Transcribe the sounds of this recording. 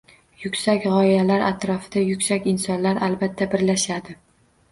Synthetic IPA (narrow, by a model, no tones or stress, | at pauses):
jʊkʲsakʲʁɒɪjalaɾa̰t̪ɾɒfɪd̪ajʊkʲsakʲɪnsɒnlaɾʔalbat̪ʰːabɪɾlaʃad̪ɪ